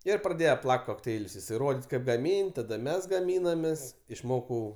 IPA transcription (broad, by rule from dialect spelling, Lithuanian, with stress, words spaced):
ˈɪr prɐˈdʲeːjɛ ˈplˠɐkʲtʲ koːkˈtʲɛɪlʲʊs jɪˈsɐɪ ˈroːdʲɪtʲ kɐɪp ɡɐˈmʲiːnʲtʲ ˈtɑːdɐ ˈmʲɛs ɡɐˈmʲiːnɐmʲeːs ɪʃˈmoːkɐʊ